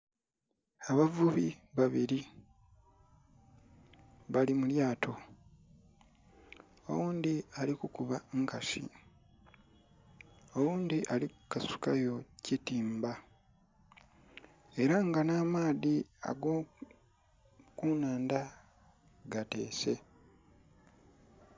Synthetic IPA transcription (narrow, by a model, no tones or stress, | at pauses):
aβavuβiβaβiɾi | βalimuljaːtʰo̞ | o̰wuːnd̪ialikukuβaŋkasḭ | o̞wuːnd̪iʔalikasu̥kajo̞citiːmba | e̞ɾaŋɡanaːmaːðia̰ɡoː | kunaːnda | ɡate̞̰ːse̞